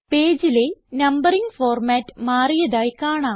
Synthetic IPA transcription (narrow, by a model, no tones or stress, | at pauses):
peːd͡ʑilenɐmbɐriŋɡfoːrmaːtːɨ̥maːrijɐðaːjkaːɳaː